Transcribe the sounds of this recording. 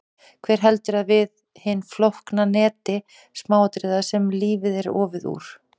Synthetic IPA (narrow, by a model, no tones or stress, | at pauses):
kʰvɛːɾ̥ɦɛlt̪ʏɾaðvɪð | hɪnːflohknanɛːt̪ɪ | smaːwat̪ɾɪðasɛmliːvɪðɛɾɔ̰ːvɪðṵːɾ̥